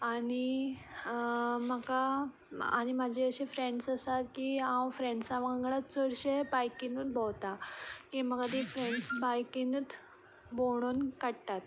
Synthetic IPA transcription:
ani | məka | a̰ɽ̃imad͡ʑʱiəɕefɾeɳɖsəsat̪kiãwfɾeɳɖsaʋãŋɡɽat̪t͡səɽɕebajkinut̪bowt̪akĩməkad̪ifɾeɳɖsbajkinət̪ | boɽ̃onkəɽt̪at̪

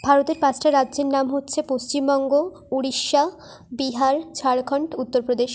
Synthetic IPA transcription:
bʱaɾot̪eɾpãt͡ɕʰʈʰaɾadːd͡ʑeɾnamɦotːɕʰepost͡ɕimbɔŋɡo | uɽiʃːa | biɦaɾt͡ɕʰaɽɡʱɔɳʈut̪ːoɾpɾod̪eʃ

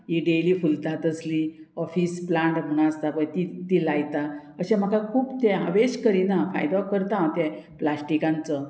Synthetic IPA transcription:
iɖeliːfult̪at̪əsli | ɔfisplaɳʈm̤əɽ̃aəst̪apəɳt̪it̪ilajt̪aəɕem̤əkʰakʰuːbt̪ẽaʋeɕkəɾinafa̰jd̪akəɾt̪ãt̪ɛ̃plasʈikãnt͡sə

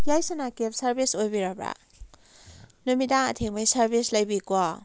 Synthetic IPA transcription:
jajsanakep̚saɾbisojbiɾabɾa̰ | numidaa̰tʰeŋbajsaɾbislajbikwa

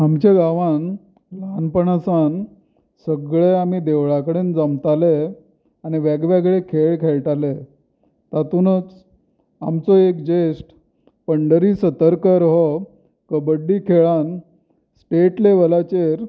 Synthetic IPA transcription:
amt͡ɕeɡaʋãn | lanpəɳasan | səɡɭeam̤id̪eʋɭakəɽend͡zəmt̪ale | aniʋaɡʋaɡɭekʰeɭkʰeɭʈale | t̪at̪unət͡s | amt͡sɔekd͡ʑesʈ | pəɳɖəɾiːsət̪əɾkəɾɦɔ | kəbəɖːiːkʰeɭan | sʈeʈleʋəlat͡ɕeɾ

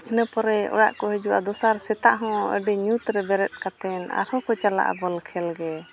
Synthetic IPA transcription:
inəpɔɾɛɔ̰ɽa̰ʔkɔɦɛd͡ʒua̰d̪ɔsaɾsɛt̪aʔɦɔ̃ə̰ɖɛɲut̪ɾɛbɛɾɛt̪̚ˀkat̪ɛna̰ɾhɔkɔt͡ʃala̰ʔa̰bɔlkʰɛlɡɛ

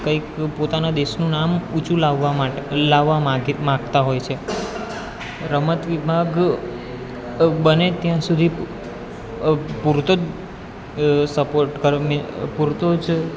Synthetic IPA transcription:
kəikpot̪anad̪eʃnũnamut͡ʃʰulaʋːalaʋːaɡmãɡt̪aɦojt͡ʃʰe | ɾəmət̪ʋibʱaɡ | bənet̪jãsud̪ʱi | puɾt̪od͡ʒ | səpoɾʈkəɾmpuɾt̪od͡ʒ

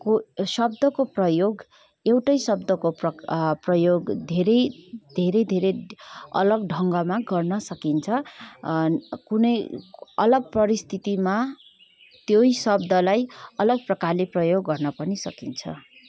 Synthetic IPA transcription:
kosʌbd̪ʌkoprʌjoɡ | ewʈʌjsʌbd̪ʌkopʌprʌjoɡd̪ʱeɾʌjd̪ʱeɾʌjd̪ʱeɾeʌ̰lʌɡɖʱʌŋɡʌmaɡʌrnʌsʌkint͡sʰʌ | kunʌjʌ̰lʌɡ̚pʌɾist̪ʰit̪ima | t̪joisʌbd̪ʌlajʌlʌɡ̚prʌkarleprʌjoɡːʌrnʌpʌnisʌ̰kint͡sʰʌ̰

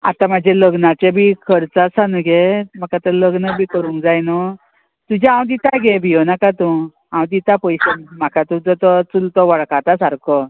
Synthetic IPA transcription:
a̰t̪ãmad͡ʑʱeləɡnat͡ɕebʱikʰəɾt͡sasanuɡemakat̪ələɡnəbʱiːkəɾuːŋkd͡zajnɔ | t̪ud͡ʑããwd̪it̪aɡebʱijonakat̪ũ | ɦãwd̪it̪apəjɕemakʰat̪ut͡sɔt̪ɔt͡sult̪ɔʋəɭkat̪asaɾkɔ

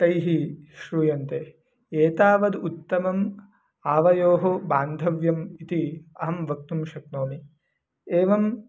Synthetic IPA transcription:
t̪ɐjɦiʃɾujɐnt̪eː | eːt̪aːʋɐd̪ut̪ːɐmɐm | aːʋɐjoːɦobaːnd̪ʱɐʋjɐmit̪iɐɦɐmʋɐk̚t̪umʃɐk̚noːmi | eːʋɐm

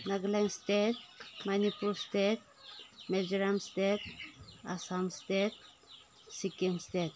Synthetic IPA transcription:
naɡlaŋstet̚manipulstet̚ | med͡ʒɾamstet̚a̰samstet | sikinstet

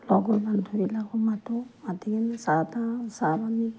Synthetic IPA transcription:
lɔɡɔlbantʰuɹilakɔmatɔatiɡinsatasabani

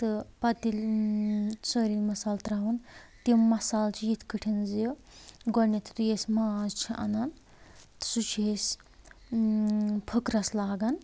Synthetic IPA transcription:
t̪ɨpɐt̪il | soɾilmɐsaːlt̪ɾaːɦunt̪imɐsaːlt͡ʃʰijit̪ʰkɨʈʰinziɡɔnet̪ʰt̪ujesmaːzt͡ʃʰiʔɐ̰nan | t̪ɨ̥sut͡ʃʰes | pʰəkɾɐslaːɡɐn

